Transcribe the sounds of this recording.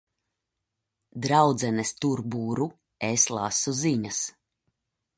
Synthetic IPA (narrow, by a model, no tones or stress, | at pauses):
d̪ɾawd̪zɛnɛst̪uɾbuːɾu | eslˠa̰suziɲas